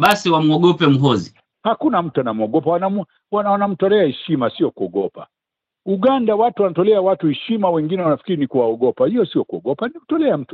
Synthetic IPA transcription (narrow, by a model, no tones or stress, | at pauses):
ɓasiwamuɔɡɔpɛm̩ɦɔzi | hakunam̩tuanamuɔɡɔpawanam | wawanam̩tɔlɛahɛʃimasiɔkuɔɡɔpa̰ | uɡandawatuwanatɔlɛawatuhɛʃimawɛŋɡinɛwanafi̥kiɾinikuwaɔɡɔpahijɔsiɔkuɔɡɔpanikutɔlɛam̩tu